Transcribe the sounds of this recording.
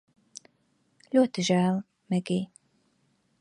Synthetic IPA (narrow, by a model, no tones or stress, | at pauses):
lʲuɔt̪iʒæːl | mɛɡi